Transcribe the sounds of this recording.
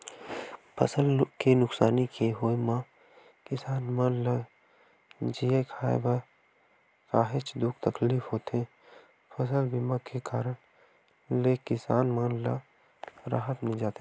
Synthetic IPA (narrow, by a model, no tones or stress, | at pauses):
pʰə̰səlkenʊksaːnikeɦoemã | kɪsaːnmãnlə | d͡ʒiekʰaːḛba | kaːɦet͡ʃd̪ʊk̚t̪əkliːfʰɦoːt̪ẽ | pʰəsəlbimãkekaːɾəɽ | lekɪsaːnmãnlə | ɾa̰ːɦət̪mẽd͡ʒaːt̪e